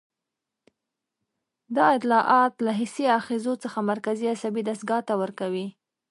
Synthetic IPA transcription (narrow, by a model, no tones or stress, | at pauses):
d̪ɑɪt̪lɑʔɑt̪laɦɪsiɑxezot͡səxamaɾkaziasabid̪asɡɑt̪awəɾkawi